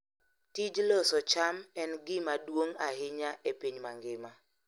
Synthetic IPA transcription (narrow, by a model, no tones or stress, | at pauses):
tid͡ʒlɔsɔt͡ʃamɛnɡɪmadwoŋaɦɪɲaʔepiɲmaŋɡɪma